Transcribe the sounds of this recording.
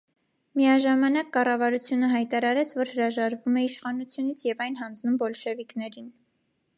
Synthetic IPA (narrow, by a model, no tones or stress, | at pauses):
miɑʒɑmɑn̪ɑkːɑrɑvɑɾut͡sʰjunəɦɑjt̪ɑɾɑɾɛt͡sʰvɔɾhəɾɑʒɑɾvumɛiʃχɑnut͡sʰjunit͡sʰjɛvɑjnɦɑnd͡znumbɔlʃɛviknɛɾin